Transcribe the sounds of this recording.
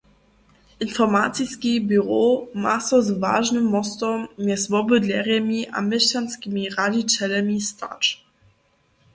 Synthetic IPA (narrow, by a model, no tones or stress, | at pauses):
ʔinfɔmat̪t͡siskibyʁoma̰sɔzva̰ːʒnəmːɔst̪ɔmːɛsvɔbədlʲɛʁjɛmiʔa̰mɛɕanskʲimiʁadit͡ɕɛlɛmistʰa̰ʈ͡ʂ